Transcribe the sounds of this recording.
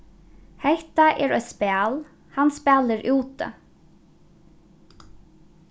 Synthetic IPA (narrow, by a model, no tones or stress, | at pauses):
hɛht̪aʔɛːɹœʏspæːl | hanspæːlɪɹʔuːt̪